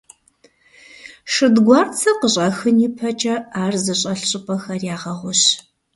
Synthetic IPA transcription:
ʂɨdɡʷɑːrt͡sʰɐqəɕʼɐxɨniːpʰɐt͡ʃʼɐaːrzɨɕʼɐɬɕʼɨpʼɐxɐrjaːʁɐʁʷʊɕ

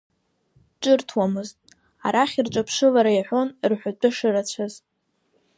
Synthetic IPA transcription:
ʈ͡ʂʼɨrtʰwamɨztʼ | a̰ɾaχʲirʈ͡ʂʼapʰʂɨlaɾajaħʷo̞nrħʷat͡pʷʼʊʂɨɾat͡ɕʷʰaz

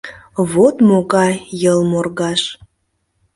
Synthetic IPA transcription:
βot̪moɣɑjjəlmorɣɑʃ

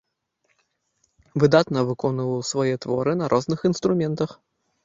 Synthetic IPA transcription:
vɨd̪at̪nɐvɨkɔnɨvɐwsvɔjɛt̪vɔ̰ɾɨnɐɾʔɔznɨxinst̪ɾumʲɛnt̪ɐx

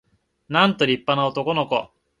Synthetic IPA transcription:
nãnt̪o̞ɾʲipːanaot̪o̞ko̞no̞ko̞̰

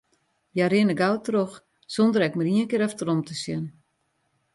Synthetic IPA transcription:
jaɾɪnəɡawtrox | sondəɾɛkməɾiənkɪːɾɛftrɔmtʰəsjɪn

